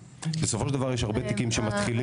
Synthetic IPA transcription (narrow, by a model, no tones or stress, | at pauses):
lesofoʃeld̪avaʁjeʃaʁbet̪ikimʃemat̪χili